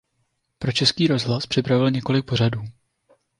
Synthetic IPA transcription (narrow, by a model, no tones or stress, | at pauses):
pɾo̞t͡ʃɛskiːɾo̞zɦlaspr̝̥ɪpɾavɪlɲɛko̞lɪk̚po̞r̝aduː